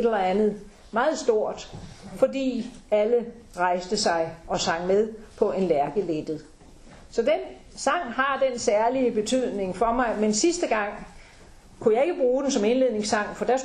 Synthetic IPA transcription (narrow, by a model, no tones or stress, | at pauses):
delɐænð̩ˠ | mɑ̈ːð̞̩ˠsd̥o̝ɐ̰d̥fɒ̽dḭːælə | ʁɑ̈ɪsd̥əsɑ̈ɪɒ̽sɑ̈ŋ̰með̞ˠpʰɒ̽ʔe̝nlæɐɡ̥əled̥ð̩ˠ | sɒ̽den | sɑ̈ŋ̰hɑ̈d̥ensæɐliəb̥e̝t͡sʰyð̞̰ˠne̝ŋfɒ̽mɑ̈ɪmensisd̥əɡ̥ɑ̈ŋ̰ | kʰujɑ̈ɪe̝ɡ̥əb̥ʁuːd̥ensɒ̽me̝nle̝ð̰ˠne̝ŋsɑ̈ŋ̰fɒ̽d̥æɐs